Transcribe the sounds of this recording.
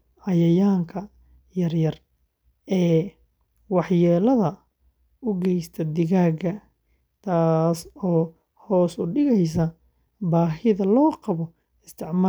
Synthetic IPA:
ʔɐjɐjaːŋkʰɐ | jɐrjɐr | ʔɛː | wɑħjɛːlɐðɐ | ʊɡɛjst̪ʰɐd̪ɪɣaːɡɐ | t̪ʰaːsɔː | hɔːsʊɖɪɣɛjs̬ɐ | baːɦɪðɐlɔːqɑβɔ | ɪst̪ʰɪʕmaː

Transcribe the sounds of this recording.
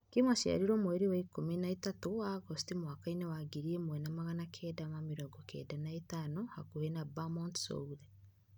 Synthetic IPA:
kimaʃia̰ɾiɾomoeɾiwaikominaitatoaɡostimwaːkainewaɡiɾiemwɛnamaɣanakʰɛːdamamiɾɔɡɔkʰɛ̰danaetaːnohakohenabamɔntso̰uðɛ

